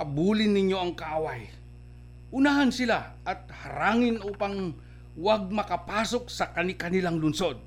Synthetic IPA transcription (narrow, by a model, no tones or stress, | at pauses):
ɐbuːlɪnːɪɲjo̞ʔɐŋkɐʔawaj | ʔʊnahɐnsɪlaʔɐt̪̚hɐɾaːŋɪnʔopɐŋ | waɡ̚mɐkɐpaːsok̚sɐkɐnɪkɐnɪlaŋlʊnso̞d̪̚